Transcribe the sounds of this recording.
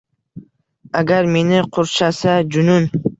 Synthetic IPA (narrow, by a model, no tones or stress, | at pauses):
aɡʲaɾme̞nɪqʰʊɾt͡ʃʰasad͡ʒʊnʊn